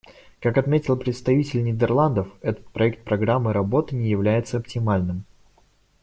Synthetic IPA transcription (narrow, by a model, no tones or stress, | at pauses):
kakɐt̪mʲetʲɪlˠpɾʲɪt̪st̪ɐvʲitʲɪlʲnʲɪd̪ʲɪrlˠand̪əfɛt̪ə̥t̪̚pɾɐɛk̚t̪̚pɾɐɡɾamːɨɾɐbo̞t̪ɨnʲɪjɪvlʲæjɪt̪səɐptʲɪmalʲnɨm